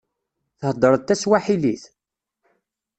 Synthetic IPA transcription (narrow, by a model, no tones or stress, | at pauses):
θəhd̪ˤəɾˤəðt̪ːæswaħiliθ